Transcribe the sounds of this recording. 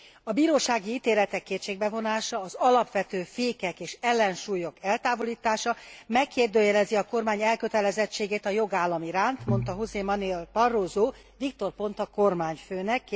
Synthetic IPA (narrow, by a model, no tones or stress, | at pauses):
ɒbiːɾoːʃaːɡiiːt̪eːlɛt̪ɛkːeːt̪t͡ʃʃeːɡ̚bɛvo̞naːʃɒːzɒlɒpʋɛt̪øːfeːkɛkeːʃɛlːɛnʃuːjo̞kɛlt̪aːvo̞liːt̪aːʃɒmɛkːeːrd̪øːjɛlɛziɒko̞rmaːɲɛlkø̞t̪ɛlɛzɛt͡ʃːeːɡeːt̪ɒjo̞ɡaːlːɒmiɾaːnt̪mo̞nt̪ɒɦuzeːmɒnelpɒrːoːzoː | vikt̪o̞rpo̞nt̪ɒko̞rmaːɲføːnɛkː